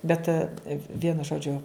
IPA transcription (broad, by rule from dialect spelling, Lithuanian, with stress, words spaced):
ˈbʲɛt ˈʋʲiɛnʊ ˈʒoːd͡ʒʲʊ